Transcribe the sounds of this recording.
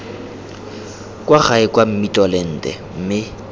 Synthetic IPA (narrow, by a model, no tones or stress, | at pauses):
kʼwaχaɪkʼwam̩mitʼɔlɛn̩ːtʼɛ̰m̩mɪ